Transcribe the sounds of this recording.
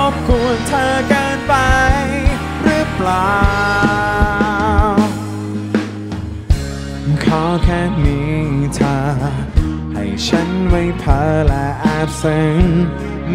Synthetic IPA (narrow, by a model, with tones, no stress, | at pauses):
p̚ku˨˧˩ənt̪ʰəː˧kɤː˧npa˧j | ɾɯː˧˥plaː˨˧ | w | kʰa˧˥wkʰɛː˧˩miː˦˥t̪ʰaː˧ | ha˨˩jt͡ɕʰa˦˥nma˧˩jt̪ʰəː˨˧˦lɛ˧˩ʔa˧˩p̚se˧˩ŋ